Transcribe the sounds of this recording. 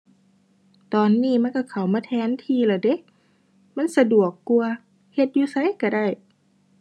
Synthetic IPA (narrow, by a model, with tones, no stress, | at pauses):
t̪ɔː˨nːiː˧˥˩ma˧˥˨nkɔ˧˩kʰa˧˩wmaː˧˥˩t̪ʰɛː˨˦˥nt̪ʰiː˧˩˨laː˨˩de˧˦k̚ | ma˧˥˨nsa˧du˨˩əkːu˧ɐ | he˧t̪̚juː˧sa˧˦jka˧˩da˥˩j